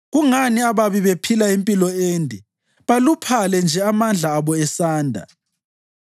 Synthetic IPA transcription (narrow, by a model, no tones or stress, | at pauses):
ɣuŋaniaβaβiβepʰilaempʼilɔeːndʱɛ | βalupʰalɛnd͡ʒʱɛamand͡ɮʱaːβɔɛsaːndʱa̰